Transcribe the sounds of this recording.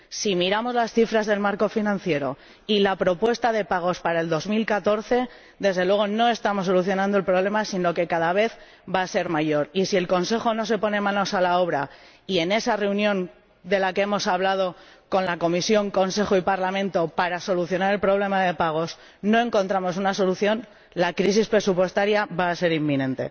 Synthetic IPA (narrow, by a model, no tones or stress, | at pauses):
simiɾamo̞zlasθifɾazðe̞lmaɾko̞finãnθje̞ɾo̞̰ | ilapɾo̞pwe̞st̪aðe̞paɣ̞o̞spaɾae̞ld̪o̞zmilkat̪o̞ɾθe̞ | d̪e̞zðelwe̞ɣ̞o̞no̞e̞st̪amo̞sːo̞luθjo̞nãnd̪oe̞lpɾo̞β̞le̞masino̞ke̞kaðaβ̞e̞θ | baːse̞ɾmaʝo̞ɾisie̞lko̞nse̞xo̞no̞se̞po̞nemãno̞salao̞β̞ɾa | ie̞ne̞sare̞unjõ̞ŋ | d̪e̞lakee̞mo̞saβlað̞o̞ | ko̞nlako̞misjo̞ŋko̞nse̞xoipaɾlamẽ̞nt̪o̞paɾaso̞luθjo̞naɾe̞lpɾo̞β̞le̞maðe̞paɣ̞o̞s | no̞e̞ŋko̞nt̪ɾamo̞sunaso̞luθjo̞n | lakɾis̬ispɾe̞supwe̞st̪aɾjaβaːse̞ɾimːĩnẽ̞nt̪e̞̰